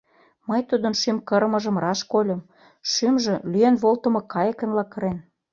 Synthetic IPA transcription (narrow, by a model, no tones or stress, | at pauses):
mɤjt̪ud̪ə̆nʃymkə̆ɾmɤ̆ʒə̆mrɑʃkolʲɤ̆m | ʃymʒĕlyenβolt̪ə̆mɤ̆kɑjəkə̆nlɑkɤ̆ɾen